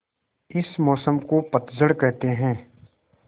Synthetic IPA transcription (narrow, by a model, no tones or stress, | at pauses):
ɪsmɔːsəmkopɐt̪zəɽkɛɦt̪eɦɛ̃ː